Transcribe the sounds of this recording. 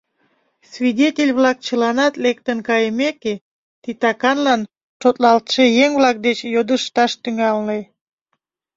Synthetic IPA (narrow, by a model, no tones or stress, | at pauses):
svʲidʲetʲelʲβlɑk̚t͡ɕəlɑnɑt̪lek̚t̪ənkɑjəmeke | t̪it̪ɑkɑnlɑn | ʃot̪lɑlt̪ʃejeŋvlɑk̚d̪et͡ɕjod̪əʃt̪ɑʃt̪yŋɑlne